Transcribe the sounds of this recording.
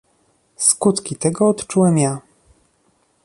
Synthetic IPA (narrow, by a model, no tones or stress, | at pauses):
skut̪kʲit̪ɛɡɔɔt̪t͡ʂuwɛmja